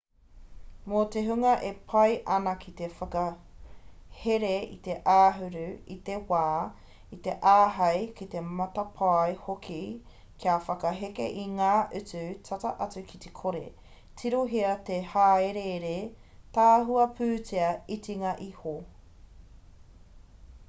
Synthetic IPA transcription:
mot̪eɦʉŋɐʔepʰɐjʔɐnɐkʰit̪efɐkɐ | heɾeḭt̪eʔaːɦʉɾʉit̪ewaː | it̪e̞ʔaːɦɐjkit̪e̞mɐt̪ɐpʰajhokʰi | kʰiafɐkɐɦekḛʔiŋaːʔʉt͡sʉt͡sʰɐtɐʔɐt͡sʉkʰit̪ekʰoɾḛ | tʰiɾoɦiɐt̪ehaːeɾeɾetaːɦuɐpʰʉːt͡siɐitiŋɐʔiho

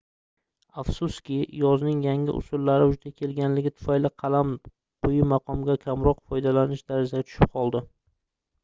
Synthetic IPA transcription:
afsʊskʲɪjɒznɪŋjaŋʲɪ̰ʔʊ̰sʊlːaɾɪʊd͡ʒd̪akʲʰe̞lɡʲanlɪɡʲɪt̪ʰʊ̥fajlɪqʰɑlam | qʰʊjɪmaqʰɒmɡʲakʲʰamɾɒqfɒjd̪alanɪʃd̪aɾad͡ʒaat̪ʰʊ̥ʃɪp̚qʰɒlˠd̪ɪ

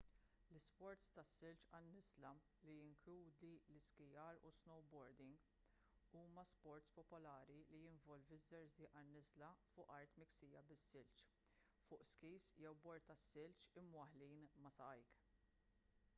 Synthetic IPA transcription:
lɪspɔɾt̪st̪ɐsːɪlt͡ʃɐnːɪzlɐ | lijɪŋkluːd̪ilɪskɪjɐɾṵsnɔwbɔɾd̪ɪŋɡ | uːmɐspɔɾt̪spɔpɔlɐːɾilijɪɱvɔlvɪzːɛɾzɪːʔɐnːɪzlɐfʊːʔɐɾt̪mɪksiːjɐbɪsːɪlt͡ʃ | fʊːʔskiːsjɛwbɔɾt̪t̪ːɐsːɪlt͡ʃɪmːwɐħliːnmɐsɐɐjk

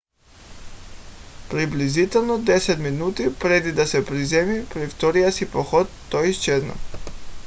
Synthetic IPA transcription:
pɾiblizit̪ɛlˠnɔd̪ɛsɛt̪minut̪ipɾɛd̪id̪asɛpɾizɛmipɾɛft̪ɔɾijasipɔxɔt̪ːɔiʃt͡ʃɛd̪nɔ̰

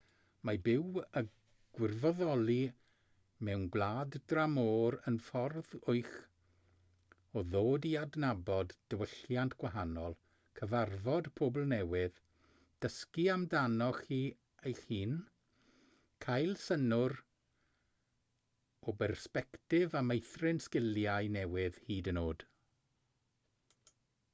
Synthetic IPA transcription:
mabɪwə | ɡ̥wɪrvɔðɔlˠi | mɛwnɡlˠaːddramoːɾənfɔrðʊɨx | ɔðoːdiadnabɔdd̥əwəɬjantʰɡ̥waɦanɔlˠ | kʰəvarvɔdpʰobl̩ˠnɛwɪð | d̥əskiamdanɔχiː | ejhiːn | kʰajlˠsənʊr | ɔbɛrspɛktɪvamejθrɪnskɪlˠjajnɛwɪðhiːdənoːd̥

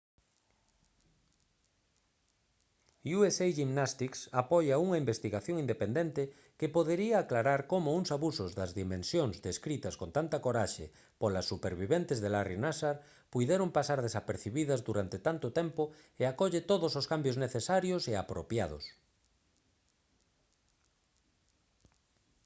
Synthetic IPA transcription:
uesejʒimnast̪iksapɔjauŋɐimbest̪iɣaθjoŋind̪epend̪ent̪ɪ | kepoðeɾiaːklaɾaɾkomʊuŋsaβusʊzðɐzðimẽnsjoŋzd̪eskɾit̪ɐskont̪ant̪ɐkoɾaʃḛ | polɐsːupeɾβiβent̪ezðelarinasaɾ | pujðeɾompasaɾðesapeɾθiβiðɐzðuɾant̪et̪ant̪ʊt̪ɛmpʊeakɔʎet̪oðososkambjozneθesaɾjosea̰pɾopjað̞o̰s

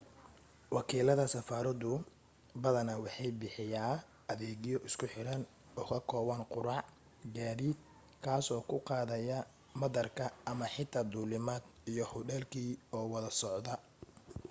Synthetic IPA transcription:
wɑkʰiːlɐðɐsɐfaːɾɐðʊ | bɐðɐnɐwɑħɑjbɪħɪjaː | ɐðɛːɣjɔʔɪskʰʊħɪɾɐn | ɔːkʰɐkʰɔːβɐnqʊɾɑʕ | ɡaːðiːd̪̚ | kʰaːsɔːkʰʊqɑːðɐjɐ | mɐðɐrkʰɐʔɐmɐħɪt̪ʰaːd̪uːlɪmaːd̪ijɔhʊɖɛlkʰiːɔːwɐðɐsɔʕd̪ɐ

